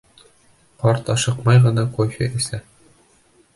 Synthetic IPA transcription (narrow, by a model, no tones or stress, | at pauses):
qɒɾt̪ɒʃɤqmɑjʁɤ̆nɑqujɕɘʔɘ̆sæ